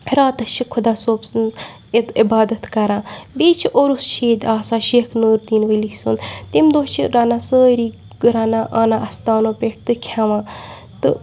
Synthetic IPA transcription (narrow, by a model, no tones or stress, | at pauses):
ɾaːt̪ɐt͡ʃʰikʰʊd̪aːsoːpsɨnz | et̪ibaːd̪ɐt̪kɐɾãːbeːt͡ʃʰiʔoɾust͡ʃʰeːd̪ʲaːsaːʃekʰnuːɾd̪iːnʋəlisunt̪imd̪ost͡ʃʰiɾanasəːɾiː | ɡɨɾanaʔaːnaʔɐst̪aːnoːpʲeʈ̚ʰt̪ɨkʲʰaʋãː | t̪ɨ